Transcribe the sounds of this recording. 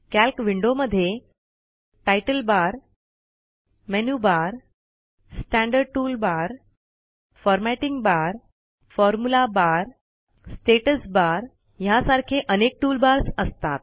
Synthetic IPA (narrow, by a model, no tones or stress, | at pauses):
kælkʋiɳɖoməd̪ʱːje | ʈajʈəlbaɾ | menjubaɾ | sʈæ̃ɳɖəɾɖ̚ʈuːlbaɾ | fɔɾmɛʈiŋɡbaɾ | fɔɾmulabaɾ | sʈeʈəsbaɾ | jasaɾkʰeʔənek̚ʈuːlbaɾsəst̪at̪̚